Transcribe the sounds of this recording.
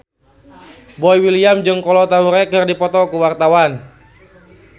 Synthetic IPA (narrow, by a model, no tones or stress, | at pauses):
bɔjwiliamd͡ʒɨŋkɔlɔt̪auɾɛkɨrdipɔt̪ɔkuwart̪awan